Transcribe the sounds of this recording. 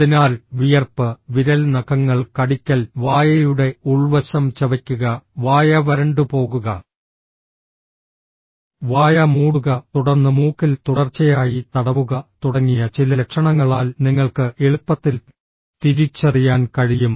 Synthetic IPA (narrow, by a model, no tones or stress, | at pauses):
inaːlʋijɐrpɨʋiɾɐlnɐɣɐŋːɐɭkɐɽikʲːɐlʋaːjɐjuɽe̞uɭʋɐɕɐmt͡ɕeʋɐkʲːuɣɐʋaːjɐʋɐɾɐɳɖɨpo̞ːɣuɣɐ | ʋaːjɐmuːɽuɣɐt̪uɽɐrnːɨmuːkːilt̪uɽɐrt͡ɕːɐjaːjit̪ɐɽɐʋuɣɐt̪uɽɐŋːijɐt͡ɕilɐlekʂɐɳɐŋːɐɭaːlniŋːɐɭkɨeɭupːɐt̪ːil | t̪iɾit͡ɕːɐrijaːnkɐɻijum